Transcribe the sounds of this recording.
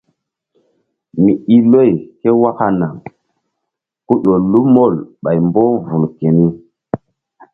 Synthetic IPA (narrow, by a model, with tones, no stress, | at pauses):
mi˨i˦lo˦˨jhe˦wa˦ka˦na˨ŋ | ku˦ɗo˨lu˦mo˦˨lɓa˨jmbo˦vu˨nke˨ni˦